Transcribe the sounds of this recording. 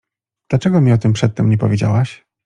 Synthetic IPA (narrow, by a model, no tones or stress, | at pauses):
d̪̥lat͡ʂɛɡɔmʲiɔt̪ɘmpʂɛt̪ːɛmɲɛpɔvʲjed͡ʑa̰waɕ